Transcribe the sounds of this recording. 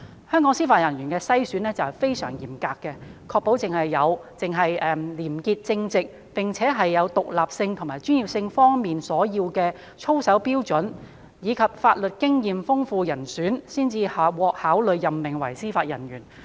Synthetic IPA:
hœː˥ŋkɔː˨˥ŋsiː˥faː˧t̚jɐ˨˩njyː˨˩nkɛː˧sɐ˥jsyː˨˥nɛː˥t͡sɐ˨whfe˥jsœː˨˩ŋjḭː˨˩mkaː˧kːɛ˧kʰɔː˧k̚po˨˥wt͡sɪ˨ŋhɐ˨jːɐ˨˧wt͡sɪ˨ŋɦɐ˨jɛː˨liː˨˩mkiː˧t̚t͡sɪ˧ŋt͡sɪ˨k̚ | pɪ˨ŋt͡sʰɛː˨˥ɦɐ˨jːɐ˨˧wt̪ʊ˨k̚laː˨p̚sɪ˧ŋt̪ʰʊ˨˩ŋmaː˨˩jt͡ʃyː˥njiː˨˩p̚sɪ˧ŋfɔː˥ŋmiː˨nsɔː˨˥jiː˧wkɛː˧ | t͡ʃʰo˥wsɐ˨˥wpiː˥wt͡sɵ˨˥n | jiː˨˧kʰɐ˨p̚faː˧t̚lɵ˨t̚kɪ˥ŋjiː˨mfʊ˥ŋfuː˧jɐ˨˩nsyː˨˥nsiː˥nt͡siː˧haː˨p̚wɔː˧k̚haː˨˥wlɵ˨˧ɥjːɐ˨mmɪ˨˩ŋwɐ˨˩jsiː˥faː˧t̚jɐ̰˨˩nɥyː˨˩n

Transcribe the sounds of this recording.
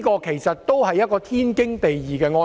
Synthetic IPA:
kɔː˧kʰe˨˩jsɐ˨t̚t̪o˥whɐ˨jːɐ˥t̚kɔː˧t̪ʰiː˥nkɪ˥ŋt̪e˨jjiː˨˩kɛː˧ŋɔː˧

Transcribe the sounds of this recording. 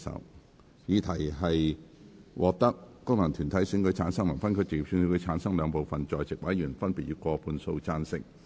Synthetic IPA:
sɐ̰˨˥w | jiː˨˧t̪ʰɐ˨˩jɦɐ˨j | wʔɔː˨˧k̚t̪ɐ˥k̚ːʊ˥ŋlɐ˨˩ŋt̪ʰyː˨˩nt̪ʰɐ˨˥jsi˧˥ŋkɵ˨˧ɥt͡sʰaː˨˥nsɐ˥ŋmɐ˨˩nfɐ˥nkʰɵ˧˥t͡sɪ˨ji˨˩sy˧ŋi˧kʰːt͡sʰaː˨˥nsɐ˥ŋlœː˨˧ŋpo˨wfɐ˨nt͡sɔː˨jt͡sɪ˨k̚wɐ˨˥jyː˨˩nfɐ˥npiː˨t̚yː˧˥kɔː˧pʰuː˧nso˧wt͡saː˧˥nsɪ̰˥k̚

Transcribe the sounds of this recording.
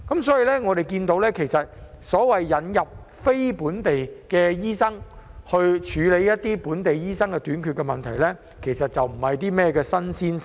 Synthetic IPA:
kɐ˨˦˥msɔː˨˥ji˨˧lɛː˥ŋɔː˨˧ɾe˨jkiː˧nt̪o˧˥wlɛː˥kʰe˨˩jsɐ˨t̚ | sɔː˨˥wɐ˨jːɐ˨˧njɐ˨p̚ | fe˥jpuː˨˥nt̪e˨jkɛː˧jiː˥sɐ˥ŋhɵ˧ɥt͡ʃʰyː˨˧le˨˧jɐ˥t̚t̪iː˥puː˨˥nt̪e˨jjiː˥sɐ˥ŋkɛː˧t̪yː˨˥nkʰy˧kːɛ˧mɐ˨nt̪ʰɐ˨˩jlɛː˥ | kʰe˨˩jsɐ˨t̚t͡sɐ˨wm̩˨˩hɐ˨jt̪iː˥mɛː˥kɛː˧sɐ˥nsiː˥n

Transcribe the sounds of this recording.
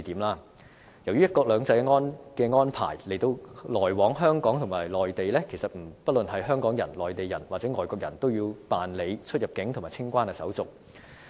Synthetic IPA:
t̪iː˨˥mlaː˥ | jɐ˨˩wjyː˥jɐ˥t̚kɔː˧k̚lœː˨˧ŋt͡sɐ˧jŋɔː˥nkɛː˧ŋɔː˥npʰa̰ː˨˩jle˨˩jt̪o˧wlɔː˨˩jwɔː˨˥ŋɦœː˥ŋkɔː˨˥ŋt̪ʰʊ˨˩maː˨˩jlɔː˨jt̪e˨jlɛː˥kʰe˨˩jsɐ˨˩t̚m̩˨˩pɐ˥t̚lɵ˨nɦɐ˨jɦœː˥ŋkɔː˨˥ŋjɐ˨˩nlɔː˨˩jt̪e˨jɐ˨˩nwaː˨˩t͡sɛː˨˥ŋɔː˨jkɔː˧k̚jɐ̰˨˩nt̪o˥wjiː˧wpaː˨nle˨˧jt͡ʃʰɵ˥t̚jɐ˨p̚kɪ˨˥ŋt̪ʰmaː˨˩jt͡sʰɪ˥ŋkʷaː˥nɛː˧sɐ̰˨˥wt͡sʊ˨k̚

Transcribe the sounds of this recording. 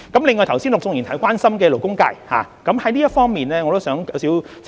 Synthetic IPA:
kɐ˨˦mlɪ˨ŋːɔː˧jt̪ʰwsi˥nlʊ˨k̚t͡sʊ˧ŋji˨nt̪ʰɐ˨˥˩jkʷaː˥nsɐ˥mkɛː˧lo˨˩wkʊ˥ŋkaː˧jha̰ː˨˩ | kɐ˨˦mhɐ˨˥jliː˥jɐ˥tfɔː˥ŋmiː˨nlɛː˥ŋɔ˨˧t̪o˥wsœː˨˥ŋkɐ˨˥wsiː˨˥wt͡s

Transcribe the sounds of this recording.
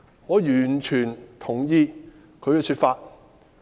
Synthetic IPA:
ŋɔː˨˧jyː˨˩nt͡ʃʰyː˨˩nt̪ʰʊ˨˩ŋjiː˧ | kʰɵ˨˧ɥkɛ˧sʰyː˧t̚faː˧t̚

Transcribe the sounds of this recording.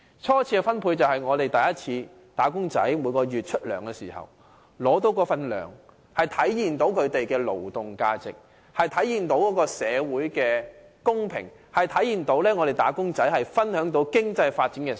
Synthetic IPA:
t͡sʰɔː˥t͡sʰiː˧ɛ˧fɐ˥npʰuː˧t͡sɐ˨whɐ˨jŋɔː˨˧t̪e˨jt̪ɐ˨jɐ˥t̚t͡sʰiː˧ | t̪aː˨˥kʊ˥ŋt͡sɐ̰˨˥jmuː˨˧˥kɔː˧jyː˨t̚t͡ʃʰɵ˥t̚lœ̰ː˨˩ŋkɛː˧siː˨˩hɐ̰˨w | lɔː˨˥t̪o˨˧˥wkɔː˧fɐ˨nlœ̰ː˨˩ŋ | hɐ˨jt̪ʰɐ˨˥jjiː˨˩nt̪o˨˥wkʰɵ˨˧ɥt̪e˨jkɛː˧lo̰˨˩wt̪ʊ˨˩ŋkaː˧t͡sɪ̰˨k̚ | hɐ˨jt̪ʰɐ˨˥jiː˨nt̪o˨˥wkɔː˨˥kɔː˧sɛː˨˧wuː˨˥jkɛː˧ | kʊ˥ŋpʰɪ̰˨˩ŋ | hɐ˨jt̪ʰɐ˨˥jiː˨˩nt̪o˨˥wlɛː˥ŋɔː˨˧ɾe˨jt̪aː˨˥kʊ˥ŋt͡sɐ˨˥jhɐ˨jfɐ˥nhœː˨˥ŋt̪o˨˧wkɪ˥ŋt͡sɐ˧jfaː˧t̚t͡si˨˥nkɛː˧

